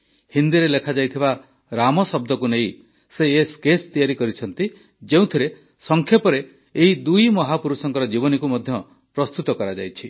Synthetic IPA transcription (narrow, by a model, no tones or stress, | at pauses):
hind̪iɾelekʰad͡ʒajt̪ʰiba | ɾamɔsɔb̚d̪ɔkunej | seːskest̪ijaɾikɔɾit͡ʃʰɔnt̪i | d͡ʒeũt̪ʰiɾe | sɔŋkʰjɔpɔɾeː | ɦid̪ujmɔɦapuɾusɔŋkɔɾɔd͡ʒibɔnikumɔd̪ʱjɔ | pɾɔst̪ut̪ɔkɔɾad͡ʒa̰jt͡ʃʰi